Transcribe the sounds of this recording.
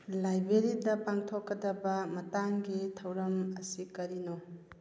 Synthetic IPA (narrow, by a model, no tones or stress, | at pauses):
lajbeɾidɐpaŋtʰokːɐdɐbɐmɐtaŋɡitʰɐwɾɐmɐsikɐɾino